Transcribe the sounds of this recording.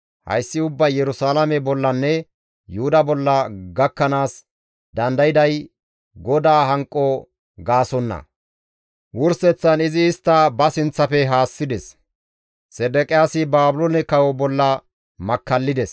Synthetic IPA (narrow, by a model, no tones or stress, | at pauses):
hɐ̰jsːɪʊbːɐjjɛɾʊsaːlɐmɛbɔlːɐnːɛ | jʊhʊd̪ɐbɔlːɐɡɐkːɐnaːs | d̪ɐnd̪ɐjɪd̪ɐj | ɡɔd̪aːɦɐŋkʼːɔ | ɡaːsɔnːɐ̰ | wʊɾsɛt͡sːɐnɪzɪːst̪ːɐbɐsɪnt͡sːɐfɛɦaːsːɪd̪ɛs | sɛd̪ɛkʼɪjasɪbaːbʊlɔnɛkɐwɔbɔlːɐ | mɐkːɐlːɪd̪ɛs